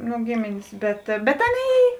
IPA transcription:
nʊ ˈɡʲeːmʲeːnʲeːs ˈbʲɛt bʲɛt ˈɑːˌnʲeːɪ

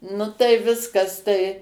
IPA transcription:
ˈnʊ tɐɪ ˈʋʲɪskɐs tɐɪ

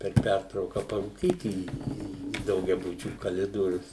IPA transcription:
pʲɛr ˈpʲærtrɐʊkɐ pɐruːˈkʲiːt iː iː dɐʊɡʲɛˈbʊt͡ʃʲuː kɐˈlʲɪdoːrʲʊs

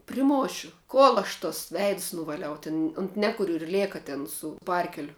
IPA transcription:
pʲrʲɪˈmoːʃʲʊ ˈkoːlˠ ɐʃ toːs ˈʋʲɛɪts nʊʋɐˈlʲɛʊ tʲɪn ʊnt ˈnʲæːkʊrʲʊ ɪr ˈlʲeːkɐ ˈtʲɛn sʊ ˈpɐrʲkʲɛlʲʊ

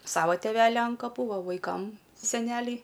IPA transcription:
ˈsɑːʋoː tʲɛˈʋʲæːlʲɪ ɐn kɐˈpuː ˈʋɐ ʋɐɪˈkɐm sʲɛˈnʲæːlʲɛɪ

